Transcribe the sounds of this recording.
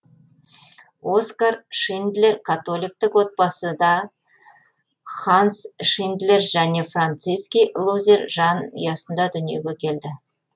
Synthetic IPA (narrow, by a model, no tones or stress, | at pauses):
o̞skarʃind̪le̞ɾkʰat̪o̞lijk̚t̪ɪkwo̞t̪̚bɑsəd̪ɑ | χɑnsʃind̪le̞rʒæne̞frant̪sɨjskʲijlˠuzʲerʒɑn̰jɑsənd̪ɑd̪ʏnije̞ɡʲekʲʰe̞ld̪ɪ